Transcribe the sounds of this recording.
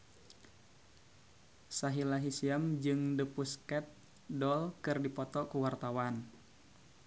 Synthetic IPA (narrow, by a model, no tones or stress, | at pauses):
saɦilaɦisiamd͡ʒɨŋdəpuskɛt̪̚ | dɔlkɨrdipɔt̪ɔkuwart̪awan